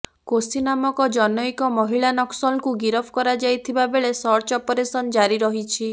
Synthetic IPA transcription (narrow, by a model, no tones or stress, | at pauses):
kosinamɔkɔd͡ʒɔnɔjkɔmɔɦiɭanɔksɔlkuɡiɾɔpʰkɔɾad͡ʒajt̪ʰibabeɭesɔɾt͡ʃɔpɔɾesɔnɔd͡ʒaɾiɾɔɦit͡ʃʰi